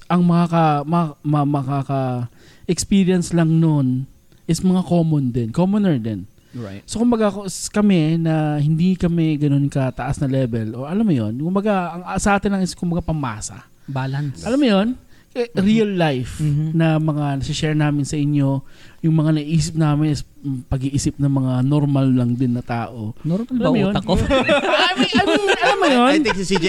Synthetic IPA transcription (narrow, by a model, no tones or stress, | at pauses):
ʔɐŋmɐŋakɐmɐamamɐkakɐ | ʔɛkspiɾjɐnslɐŋnon | ʔɪsmɐŋako̞ːmond̪ɛnkomonɛɹd̪ɛn | sokʊmbɐɡakskɐmɛnɐhɪnd̪ikɐmɛɡɐno̞nkɐt̪ɐʔasnɐlɛbɛloɐlamːʊjonkʊmbɐɡaɐŋasɐʔaːt̪ɪnlɐŋɪskʊmbɐɡapɐma̰ːsɐ̰ | balɐnsʔɐlamːʊjon | kɛɾiɐlːajfnɐmɐŋanɐsɪʃɛɹnaːmɪnsɐʔɪɲjo̞jʊŋmɐŋanɐʔiːs̬ɪp̚naːmɪnʔɪs | pɐɡiʔiːsɪp̚nɐŋmɐŋanoɾmɐlːɐŋd̪ɪnːɐt̪a̰ːʔo̞ɾɐamjoɐko | ʔɐlamːɐjonɛksi